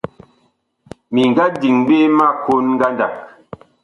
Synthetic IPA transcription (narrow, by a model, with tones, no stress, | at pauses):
mi˨ŋ˨ɡa˦di˨ŋbe˦ma˦˨ko˦nŋ˦ɡa˦nda̰˨k̚